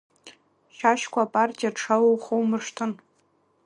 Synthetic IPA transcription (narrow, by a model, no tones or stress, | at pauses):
ʃaʃkʷʰaːpʼartʼijaʈ͡ʂʰawowχowmɨʂtʰɨn